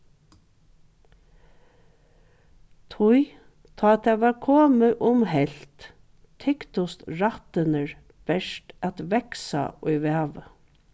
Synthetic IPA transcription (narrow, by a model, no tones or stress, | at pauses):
t̪ʰʊj | t̪ʰɔːt̪æʋæːɾkʰoːməʔʊmhɛlt̪ | t̪ʰɪkt̪ʊst̪ɹat̪ənəɹ | b̥ɛʃʈæt̪ʋɛksa̰ʊɪʋæːʋə